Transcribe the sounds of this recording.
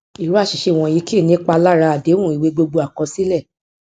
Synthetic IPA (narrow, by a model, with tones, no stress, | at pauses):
i˨ɾu˦a˦˨ʃi˨ʃe˧˨w̃ɔ̃˧ji˧˦ki˦˨nĩ˦k͡pa˧la˦ɾa˧a˨de˨˦wũ˦˨i˨we˨˧˦ɡ͡bo˧ɡ͡bo˧a˨kɔ̃˨˧˦si˦lɛ˦˨